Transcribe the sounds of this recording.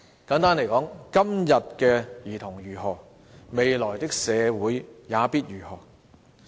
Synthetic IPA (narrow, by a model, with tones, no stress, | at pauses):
kaː˨˥ŋt̪aː˥nle˨˩jkɔː˨˥ŋkɐ˥mjɐ˨t̚kɛː˧jiː˨˩t̪ʰʊ˨˩ŋjyː˨˩ɦɔː˨˩ | me˨˧jlɔː˨˩jt̪ɪ˥k̚sɛː˨˧wuː˨˥jjaː˨˧piː˥t̚ɥyː˨˩hɔː˨˩